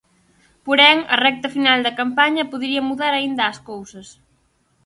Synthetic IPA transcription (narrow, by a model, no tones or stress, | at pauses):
poɾɛŋɐ̰rɛk̚t̪ɐfinald̪ɐkampaɲɐpuðɾiɐmuðaɾɐind̪ɐːskowsɐs